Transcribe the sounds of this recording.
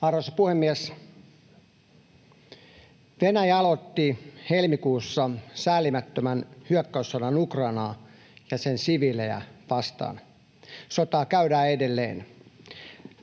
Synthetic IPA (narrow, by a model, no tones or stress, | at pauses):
ɑrʋosɑpuhemːiɛs | ʋenæjɑlot̪ːihelmikuːsːɑsæːlːimæt̪ːømænhyœkːæusːɑdɑnukrɑːnɑː | jɑsensiʋileæ̰ʋɑst̪ɑ̰ːn | sot̪ɑːkæydæːedelːḛːn